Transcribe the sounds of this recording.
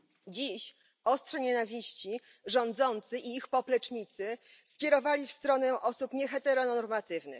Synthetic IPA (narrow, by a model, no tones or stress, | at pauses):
d͡ʑiɕ | ɔstʂɛɲɛnavʲiɕt͡ɕi | ʐɔnd̪zɔnt̪sɘʔiixpɔplɛt͡ʂɲit̪sɘskʲjɛɾɔvalʲifst̪ɾɔnɛʔɔsupɲɛxɛt̪ɛɾɔnɔɾmat̪ɘvnɘ̰